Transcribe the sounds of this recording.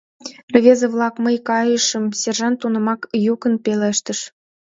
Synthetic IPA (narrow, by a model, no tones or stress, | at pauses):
revʲezĕβlˠɑkməjkɑjə̆ʃə̆msʲerʒɑnt̪ːunɤ̆mɑkjukə̆npʲelʲeʃt̪ə̆ʃ